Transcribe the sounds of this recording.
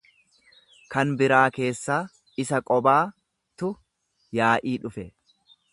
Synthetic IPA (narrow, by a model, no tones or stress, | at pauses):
kɐnbɪɾaːke̞ːsːaː | ɪsɐkʼɔbaː | t̪ʊ | jaːʔiːᶑʊfɛ